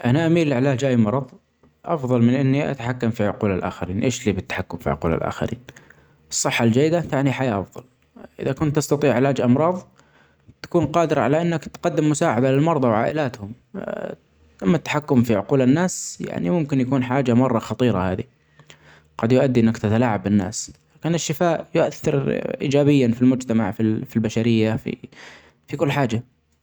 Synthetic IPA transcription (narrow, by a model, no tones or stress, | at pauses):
ʔanaʔamiːlːɪʕɪlaːd͡ʒʔajːmɑɾˤɑðˤ | ʔɑfðˤɑlmɪnʔɪnːiʔa̰t̪ḁħakːamfiʕʊquːlalʔa̰ːxaɾiːnʔeːʃliːbɪt̪ːḁħakːʊmfḭʕʊ̰quːla̰lʔa̰ːxa̰ɾḭːn | ɨsˤːɨħːald͡ʒajːɪd̪at̪aʕniħajaʔɑfðˤɑ̰l | ʔɪ̰ðakʊnt̪ʔɑst̪ɑt̪ˤiːʕɪlaːd͡ʒʔɑmɾˤɑːðˤ | t̪ḁkuːnqɑːd̪ɪɾˤɑʕalaʔɪnːakt̪qɑd̪ːɪmːʊsaːʕad̪alɪlmɑɾˤðˤɑwʕaːʔɪlaːt̪hʊm | t̪amːat̪ːḁħakːʊmfiʕʊquːlanːaːsja̰ʕnḭmʊmkɪnjakuːnħaːd͡ʒamɑrˤːɑxɑt̪ˤiːɾˤɑ̰haːði | ɡɑd̪jʊʔad̪ːiʔɪnːakt̪at̪alaːʕabɪnːa̰ːslaːkɪnɪʃːɪfaːʔjʊʔaθːɪɾʔḭːd͡ʒaːbɪjːanfilmʊd͡ʒt̪ama̰ʕfifilbaʃaɾɪjːafḭ | fikʊlːħaːd͡ʒa